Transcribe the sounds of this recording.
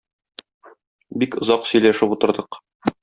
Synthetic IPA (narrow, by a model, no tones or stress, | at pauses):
bikŏzɑqsɵ̆jlæʃɘput̪ɤ̆ɾd̪ɤq